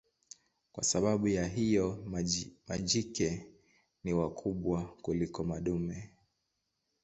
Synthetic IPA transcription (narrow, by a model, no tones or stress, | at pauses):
kwa̰saɓaɓujaɦijɔ | ma̰ʄikɛ | niwakʰuɓwakulikɔmaɗumɛ